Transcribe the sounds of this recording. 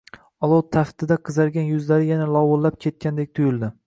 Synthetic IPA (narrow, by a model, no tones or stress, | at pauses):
ɒlˠot̪ʰːaft̪ʰɪd̪aqʰɨzaɾɡʲanjʊzlaɾɪjanalˠɒwʊllːap̚kʲʰe̞t̪̚kʲʰand̪ek̚ʲt̪ʰʊjɪlˠd̪ɪ